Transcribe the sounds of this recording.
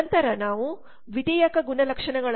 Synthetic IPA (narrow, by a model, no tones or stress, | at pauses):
nt̪ɐɾɐnaːʋu | ʋid̪ijɐkɐɡunɐlɐkʂɐɳɐɡɐɭ